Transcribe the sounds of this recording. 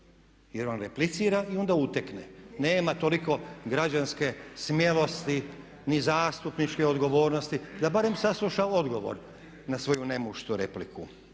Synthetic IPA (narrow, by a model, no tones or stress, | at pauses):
jeɾonɾeplit̪siːɾaio̞nd̪aut̪aknḛneːmat̪o̞liko̞ɡɾad͡ʒanske̞smjelo̞st̪i | nizaːst̪upnit͡ʃkeo̞d̪ɡo̞ʋo̞ːɾno̞st̪id̪abaɾe̞msaslˠuʃao̞d̪ɡo̞ʋo̰ɾ | nasʋo̞june̞muʃt̪uɾe̞̰pliku